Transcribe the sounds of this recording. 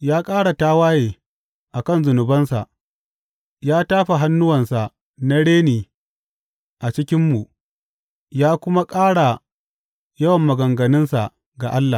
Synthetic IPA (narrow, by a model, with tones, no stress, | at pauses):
jaː˦kʼaː˦ɽa˨taː˦waː˦jeː˨ | ʔa˨kɐ˦˨nzʊ˨nʊ˨bɐ˦nsa̰˨ʔ | jaː˦taː˦ɸa˨ɦa˦nːʊ˦wɐ˨nsa˨ | na˦ɽeː˦niː˨ | ʔa˨t͡ʃɪ˦kʲɪ˦mːu˨ | jaː˦kʷʊ˦ma˦kʼaː˦ɽa˨ | jɐ˦wɐ˨mːɐ˨ɡɐ˨ŋɡɐ˨nɪ˦nsa˨ | ɡa˨ʔa˦lːa˨